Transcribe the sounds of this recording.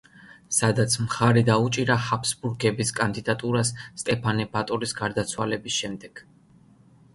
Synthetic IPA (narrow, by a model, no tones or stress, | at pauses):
sad̪at̪sʰmχaɾid̪aut͡ʃʼiɾahapʰsbuɾɡɛbiskʼand̪id̪at̪ʼuɾasːt̪ʼɛpʰanɛbat̪ʼɔɾisɡaɾd̪at̪sʰwalɛbisʃɛmd̪ɛɡ̥